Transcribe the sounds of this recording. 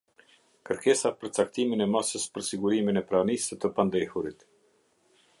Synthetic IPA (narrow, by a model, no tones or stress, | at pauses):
kəɾkɛsapəɾt͡sak̚t̪iminɛmasəspəɾsiɡuɾiminɛpɾanisət̪əpand̪ɛhuɾit̪